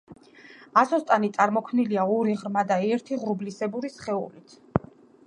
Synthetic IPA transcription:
asɔst̪ʼanit̪sʼaɾmɔkʰmniliaɔɾiʁɾmad̪aɛɾt̪ʰiʁɾublisɛbuɾisχɛṵlit̪ʰ

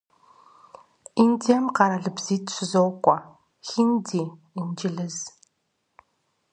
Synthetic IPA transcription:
indijɐmqɑɾɐɮɨbz̥iːtɕʷɪzowkʷʼɔ | xindiː | ind͡ʒɪɮɨz

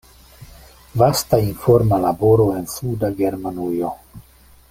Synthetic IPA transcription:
vastainfo̞ɾmalabo̞ɾo̞e̞nsudaɡe̞ɾmanujo̞

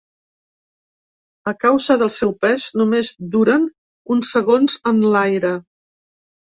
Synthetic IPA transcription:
əkawzəðəlˠsɛwpɛʃnumezd̪uɾən | unsəɣonzənlajɾə

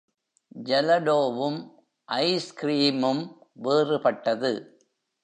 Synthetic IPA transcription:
d͡ʒɐlɐɖoːʋɯm | ʔɐɪskɾiːmɯmʋeːrɯpɐʈːɐðɯ

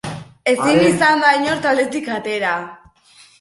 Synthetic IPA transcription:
e̞sinisand̪ajɲo̞ɾt̪ald̪e̞t̪ikat̪e̞ɾa

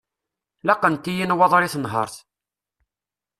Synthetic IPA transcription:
lɑqːənt̪ijinwɑðˤɾiθnɦə̰ɾˤθ

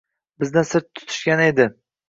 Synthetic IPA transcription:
bɪznɪsɪɾt̪ʰːʊ̥t̪ʰʊ̥ʃkʲane̞d̪ɪ

